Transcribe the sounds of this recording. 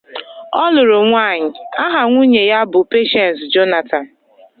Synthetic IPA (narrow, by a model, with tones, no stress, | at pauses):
ɔ˦lʊ˨ɾʊ˨ŋʷa˦˨ɲɪ˨a˦ɦa˨ŋʷu˦ɲe˨ja˦bʊ˨pe˦ʃɛ˨nsd͡ʒo˦na˨ta˨n˨